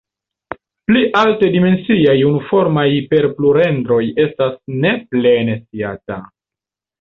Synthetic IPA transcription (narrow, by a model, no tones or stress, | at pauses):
pliʔalte̞dime̞nsiajunufo̞ɾmajpe̞ɾpluɾe̞ndɾo̞je̞stasne̞ple̞ne̞stiata